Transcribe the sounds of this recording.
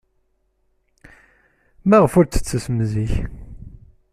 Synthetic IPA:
mæʁəfʊɾt͡sːə̥t͡sːəsəmziç

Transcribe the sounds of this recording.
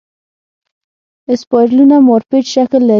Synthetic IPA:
ɪspɔjɾlunamoɾpeʈʃaklːa

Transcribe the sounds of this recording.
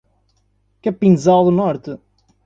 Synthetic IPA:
kɐpĩnzalˠd̪unɔɾt̪ɨ

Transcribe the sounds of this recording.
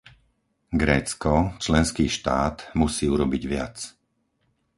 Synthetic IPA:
ɡɾɛːt͡skɔt͡ʃlɛnskiːʃt̪aːt̪musiːuɾɔbiɟʋɪa̰t͡s

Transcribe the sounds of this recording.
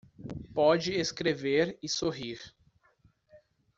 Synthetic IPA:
pɔd͡ʒɪeskɾeveɾɪsoɦiɾ

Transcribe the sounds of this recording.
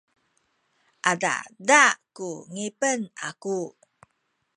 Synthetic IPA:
ʔada̰dakuŋipənaku

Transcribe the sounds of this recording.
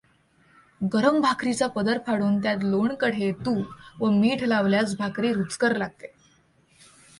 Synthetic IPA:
ɡəɾəmbʱakɾit͡sapəd̪əɾpʰaɽuːnt̪jat̪̬loɳkəɽ̤et̪uːʋəmiːʈʰlaʋljat͡sbʱakɾiːɾut͡skəɾlaɡ̚t̪e

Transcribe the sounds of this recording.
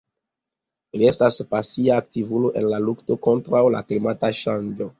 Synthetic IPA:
ilie̞staspasiaːktivuloʔe̞nlalukto̞ko̞ntɾawla̰klimataʃand͡ʒo̞

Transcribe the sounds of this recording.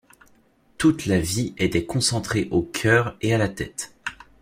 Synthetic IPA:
t̪ut̪laviʔɛt̪ɛkɔ̃sɑ̃t̪χeʔokʲʰœːʁealat̪ɛt̪

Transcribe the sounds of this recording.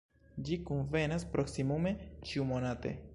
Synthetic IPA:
d͡ʒikunve̞naspɾʔo̞ksimume̞t͡ʃiumo̞nate̞̰

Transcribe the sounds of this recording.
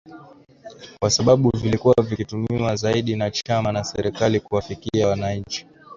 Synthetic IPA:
kwasaɓaɓuvilikuwavikitumiwazaiɗinat͡ʃamanasɛɾɛkalikuwafikiawanaɲ̩t͡ʃi̥

